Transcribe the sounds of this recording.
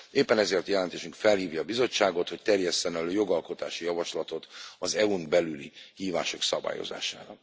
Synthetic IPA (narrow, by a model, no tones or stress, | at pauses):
eːpːɛnɛzeːrt̪jɛlɛnt̪eːʃyŋkfɛlhiːvjɒːbizo̞t͡ʃːaːɡo̞t̪ho̞ct̪ɛrjɛsːɛnɛløːjo̞ɡɒlko̞t̪aːʃijɒvɒʃlɒt̪o̞t̪ɒzɛunbɛlylihiːva̰ːʃo̞ksɒba̰ːjo̰za̰ːʃa̰ːɾɒ